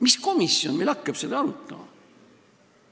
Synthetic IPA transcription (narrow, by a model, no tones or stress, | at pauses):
misko̞misːjonmelɑkːɑb̥se̞d̪̥ɑɑlut̪ːˑɑmɑ